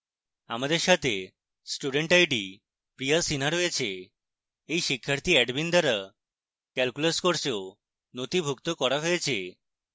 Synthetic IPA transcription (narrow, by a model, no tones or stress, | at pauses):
a̰mad̪eɾʃat̪ʰe | sʈuɖeɳʈajɖi | pɾijasinaɾɦojet͡ɕʰeː | jʃikʰːaɾt̪iɛɖbind̪aɾa | kɛlkuleskoɾseo | not̪ibʱukt̪okɔɾaɦojet͡ɕʰe